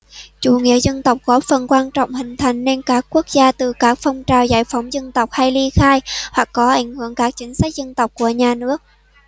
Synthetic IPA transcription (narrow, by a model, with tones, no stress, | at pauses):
t͡ɕṵ˧˩ŋḭ˧˥əzə˧nt̪ə˨˩wk͡p̚kɔ˨˦fə˨˩nkwaː˧nt͡ɕɔ̰˧˨wŋ͡mhï˨˩ŋ̟t̪ʰa˨˩jŋ̟ne˧nkaː˦˥kkːu˦˥ək̚zaː˧t̪ɨ˨˩kaː˦˥k̚fə˧wŋ͡mt͡ɕaː˨˩wzaː˧˩jfɔ˨˦wŋ͡mzə˧nt̪ə˨˩wk͡p̚ha˧jli˧xaː˧jhwa˨˩kːɔ˨˦ʔa˨˦jŋ̟hɨ˧˥˨əŋkaː˦˥k̚t͡ɕï˨˦ŋ̟sa˦˥k̚zə˧nt̪ə˨˩wk͡p̚ku˧˩əɲaː˨˩nɨ˦˥ək̚